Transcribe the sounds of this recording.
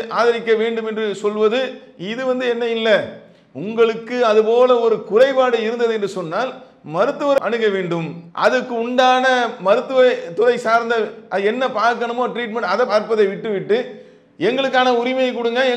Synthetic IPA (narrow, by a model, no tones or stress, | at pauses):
ʔaːðɪɾɪkːɐʋeːɳɖɯmɛndrɯsɔlʋɐðɯ | ɪðɯʋɐnd̪ɯɛnːɐjɪlːɐ | ʊŋɡɐɭɯkːɯɐðɯpoːlɐɔɾɯkʊrɐɪpaːɽɯɪɾɯnd̪ɐðɯɛndrɯsɔnːaːl | mɐɾɯt̪ːɯʋɐɾʔɐɳɯɣɐʋeːɳɖɯmʔɐ̰ðɯkːɯʊɳɖaːnɐmɐɾɯt̪ːɯʋɐt̪ʊɾɐɪsaːɾnd̪ɐʔɐðɯɛnːɐpaːɾkɐɳɐmoːʈɾiːʈ̬mɛɳʈɐðɐpaːɾpɐðɐɪʋɪʈːɯʋɪʈːɯ | ɛŋɡɐɭɯk̬ːaːnɐʊɾɪmɐjɐkːʊɽɯŋɡɐɛ